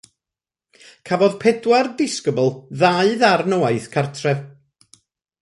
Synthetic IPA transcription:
kʰavɔðpʰɛdwardɪskəbəlˠðaɨðarnowaɨθkʰartʰrɛv

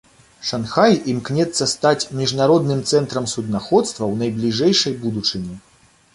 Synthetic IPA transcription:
ʂanxajimknʲɛt̪sːɐst̪at͡sʲmʲiʐnaɾɔd̪nɨmt̪sɛnt̪ɾɐmsud̪naxɔt̪st̪vɐwnɐjblʲiʐɛjʂɐjbud̪ut͡ʂɨnʲɛ

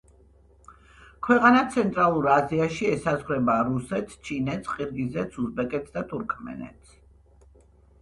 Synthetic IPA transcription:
kʰwɛqʼanat̪sʰɛnt̪ʼɾalˠuɾaziaʃiɛsazʁɾɛbaɾusɛt̪st͡ʃʰinɛt̪sqʼiɾɡizɛt̪sʰuzbɛkʼɛt̪sʰd̪at̪ʰuɾkʰmɛ̰nɛ̰t̪s

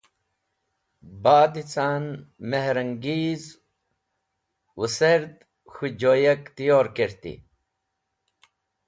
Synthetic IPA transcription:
baːd̪it͡saːnmeɦɾɐŋɡiːz | wʔuseɾd̪ | xud͡ʑoːjɐkt̪ijoːɾkeɾt̪ḭ

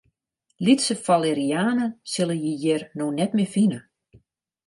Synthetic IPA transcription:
litsəfalˠeɾiaːnəsɪlˠəjijɛrnoxnɛtmɪfinə

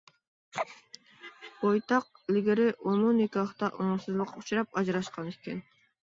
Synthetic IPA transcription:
bojt̪ɑq̚ | lʲɡeɾeʔonunekʲiɑχt̪ɑʔoɴsɨzlˠuqu̥t͡ʃɾɑpɑd͡ʒɾɑʃqɑneken

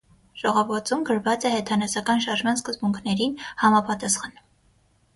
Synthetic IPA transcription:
ʒ̥ɔʁɔvəɾt͡sumɡəɾvɑt͡sɛhɛt̪ʰɑnɛsɑkɑnʃɑɾʒmɑnskəzbuŋkʰnɛɾinhɑmɑpɑt̪ɑsχɑn

